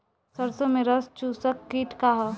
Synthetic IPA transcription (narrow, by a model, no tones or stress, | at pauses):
sɐɾsomẽɾɐst͡ʃuːsəkːiʈkaɦa